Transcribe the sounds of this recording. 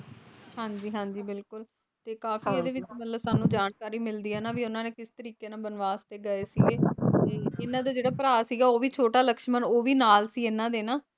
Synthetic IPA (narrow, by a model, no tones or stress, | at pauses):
ɦãːɲd͡ʒiːɦãːɲd͡ʒiːbɪlkʊl | t̪eːkaːfiːeːd̪eːʋɪt͡ʃmət̪ləbsaːnũːd͡ʒaːnkaːɾiːmɪld̪iːɛːnaːʋiːʊnãːneːkɪst̪əɾiːkeːnãːbənʋaːst̪eːɡəeːsiːɡeːeːɪnãːd̪aːd͡ʒeːɽaːpəɾaːsiːɡaːoːʋiːt͡ʃʰoːʈaːləkʃmənoːʋiːnaːlsiːeːnãːd̪eːnaː